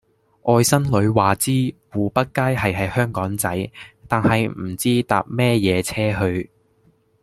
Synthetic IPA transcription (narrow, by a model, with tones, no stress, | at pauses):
ʔɔː˧jsɐ˥nlɵ˨˧ɥwaː˨t͡siː˥wuː˨˩pɐ˥t̚kaː˥jhɐ˨jɦɐ˨jhœː˥ŋkɔː˨˥ŋt͡sɐ˨˥jt̪aː˨˩nhɐ˨jm̩˨˩t͡siː˥t̪aː˨p̚mɛː˥jɛː˨˧t͡sʰɛː˥ɦɵ˧ɥ